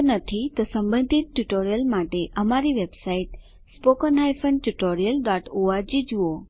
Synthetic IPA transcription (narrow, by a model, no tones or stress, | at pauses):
nət̪ʰit̪osɐ̃mbə̃nd̪ʱit̪̚ʈuʈoːɾijəlmaːʈeʔɐmaɾiʋeːbsaːiʈ | spoːkənaːjfʰənʈuʈoːɾijəlɖaːʈoːaɾd͡ʑid͡ʒuo